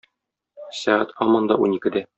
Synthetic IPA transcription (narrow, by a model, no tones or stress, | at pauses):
sæʁæt̪ɒmɤ̆nd̪ɑʔunikɘ̆d̪æ